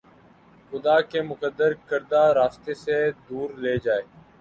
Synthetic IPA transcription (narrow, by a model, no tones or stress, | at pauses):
xʊd̪aːkeːmʊkəd̪ːəɾkəɾd̪aːɾaːst̪esed̪uːɾleːd͡ʒaːeː